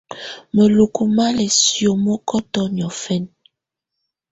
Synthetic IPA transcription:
mə˨lu˨ku˨ma˦lɛ˨sjo˨mɔ˦kɔ˦tɔ˦n˨ɔ˨fɛ˦n

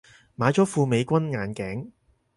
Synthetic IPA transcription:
maː˨˥jt͡ʃɔː˨˥fuː˧me˨˧jkʷɐ˥nŋaː˨˧nkɛː˨˥ŋ

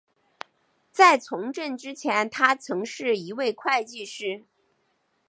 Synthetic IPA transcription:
t͡sa˥˩ɪt͡sʰʊ˧˥ŋʈ͡ʂə˥˩nʈ͡ʂɻ̩˥t͡ɕʰjɛ˧˥nt̪ʰa˥t͡sʰɤ˧˥ŋʂɻ̩˥˩i˧˥we˥˧ɪkʰwa˥˧ɪt͡ɕi˥˧ʂɻ̩˥˩

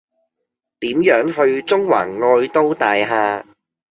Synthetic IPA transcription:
t̪iː˨˥mjœː˨˥ŋɦɵ˧ɥt͡sʊ˥ŋwa̰ː˨˩ŋːɔː˧jt̪o˥wt̪aː˨˧jɦaː˧

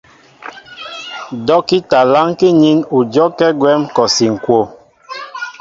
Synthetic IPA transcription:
dɔ˦ki˦ta˨la˦ŋki˦ɲi˦nu˨d͡ʒɔ˦kɛ˦ɡwɛ˦mkɔ˨si˨ŋ̩˨kwo˦˨

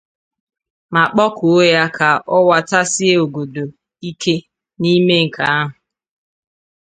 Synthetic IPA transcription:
ma˨k͡pɔ˦kʊ˨o˦ja˦kʰa˨ɔ˦wa˦ta˦sɪ˦e˦o˨ɡo˨do˨ | i˦ke˦ | ni˦me˦ŋ̩˨ka˨a˦ɦʊ˨

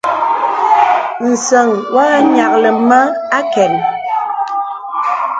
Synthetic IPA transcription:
n̩˨sə˨ŋwʔa˦ɲa˨k̚lə˨ma˦ | a˦kɛ˨n

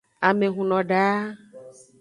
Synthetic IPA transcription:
a˨me˨ɦũ˨nɔ̃˨ɖa˨˦

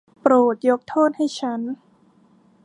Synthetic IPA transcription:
pɾoː˨˩t̪̚jo˦˥k̚t̪ʰoː˥˩t̪̚ha˥˩jt͡ɕʰa˦˥n

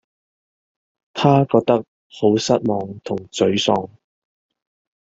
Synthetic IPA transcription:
t̪ʰaː˥kɔː˧k̚t̪ɐ˥k̚ | ho˨˥wsɐ˥t̚mɔː˨˧ŋt̪ʰʊ˨˩ŋt͡sɵ˨˥ɥsɔː˧ŋ

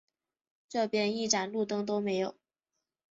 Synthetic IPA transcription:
ʈ͡ʂɤ˥˧pjɛ˥˧ni˥˩ʈ͡ʂa˨˩nlu˥˩t̪ɤ˥ŋt̪̬o˥ʊme˧˥ɪjo˨˩˦ʊ

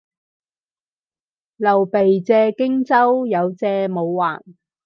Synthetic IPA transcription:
lɐ˨˩wpe˨jt͡sɛː˧kɪ˥ŋt͡sɐ˥wjɐ˨˧wt͡sɛː˧mo˨˧wːa̰ː˨˩n

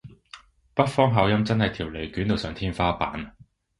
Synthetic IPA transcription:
pɐ˥t̚fɔː˥ŋɦaː˨˧˥wjɐ˥mt͡sɐ˥nhɐ˨jt̪ʰiː˨˩wle˨˩jkyː˨˥nt̪o˨˧wsœː˨˧ŋt̪ʰiː˥nfaː˥pa̰ː˨˥n

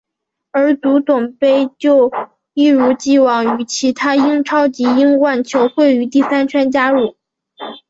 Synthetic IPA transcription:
ə˞˧˥t̪u˧˥t̪ʊ˨˩ŋpe˥ɪt͡ɕjo˥˧ʊ | i˥˩ɻu˧˥t͡ɕi˥˩wɑ˨˩ŋy˧˥t͡ɕʰi˧˥t̪ʰa˥i˥ŋʈ͡ʂʰɑ˥ʊt͡ɕi˧˥i˥ŋwa˥˩nt͡ɕʰjo˧˥ʊxwe˥˩ɪy˧˥t̪i˥˩sa˥nt͡ɕʰɥɛ˥nt͡ɕja˥ɻu˥˩

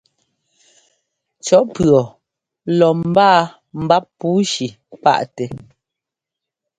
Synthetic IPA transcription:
t͡ʃɔ˨˦pɰɔ˨ | lɔ˨m̩˨baː˦˨ | m̩˨ba˦pːuː˨˦ʃi˨ | pa̰˦˨ʔtɛ˨

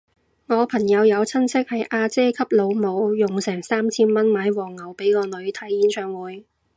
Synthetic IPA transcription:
ŋɔː˨˧pʰɐ˨˩ŋjɐ˨˧wjɐ˨˧wt͡sʰɐ˥nt͡sʰɪ˥k̚hɐ˨jʔaː˧t͡sɛː˥kʰɐ˥p̚lo˨˧wmo˨˧wjʊ˨ŋsɛː˨˩ŋsaː˥mt͡sʰiː˥nmɐ˥nmaː˨˧jwɔː˨˩ŋːɐ˨˩wpe˨˥jkɔː˧nɵ˨˧ɥt̪ʰɐ˨˥jːiː˨˧˥nt͡ʃʰœː˨˧ŋwuː˨˥j

